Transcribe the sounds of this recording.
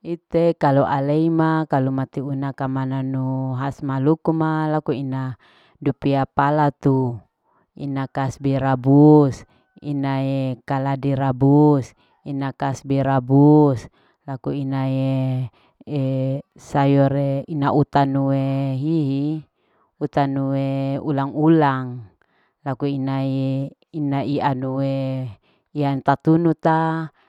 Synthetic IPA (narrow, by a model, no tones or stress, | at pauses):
it̪ekaluʔaleimakalumat̪iunakamananuɦasmalukumalakuina | dupiapalat̪u | ḭnakasbɛɾabus | ḭnajekaladiɾabus | inakasbɛɾabus | lakuinaje | e | sajɔɾeinaʔut̪anuweɦiɦi | ut̪anuweulaŋulaŋ | lakuinae | inaianuwe | iant̪at̪unut̪a